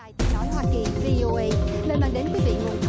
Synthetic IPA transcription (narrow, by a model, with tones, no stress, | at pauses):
ji˧nɔ˨˦jhwaː˧ki˨˩vi˧ʔo˧ʔə˧jne˧nlaː˧˨˩nɗe˨˦nkwi˨˦vḭ˧˨ŋo˨˩